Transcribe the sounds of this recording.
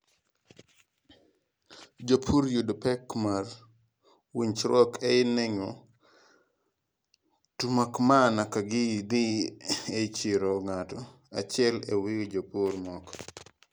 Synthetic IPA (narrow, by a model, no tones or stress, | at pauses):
d͡ʒopʰuɾjudpɛkmar | wiɲt͡ʃɾɔkʰɛɪnɛŋɔ | tumakmanakaɡɪdiet͡ʃiɾɔŋatɔ | a̰t͡ʃɪɛlḛwikd͡ʒopuɾmɔk